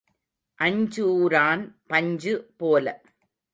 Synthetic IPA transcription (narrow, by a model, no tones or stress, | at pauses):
ʔɐɲd͡ʒuːɾaːnpɐɲd͡ʒɯpoːlɐ